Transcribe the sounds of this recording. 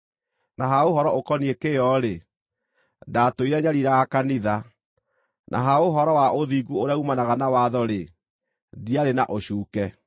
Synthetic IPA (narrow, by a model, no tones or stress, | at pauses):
naɦaoɦɔɾɔʔokɔniekejɔɾe | datoiɾaɲaɾiɾaɣakaniða | nʔa̰ɦaoɦɔɾɔwaʔoðiɡuoɾeaumanaɣanawaðɔɾe | diaɾenaʔoɕuːkɛ